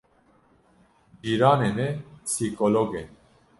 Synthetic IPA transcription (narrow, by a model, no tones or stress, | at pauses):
biɾanɛnɛpsikʰolɔɡɛn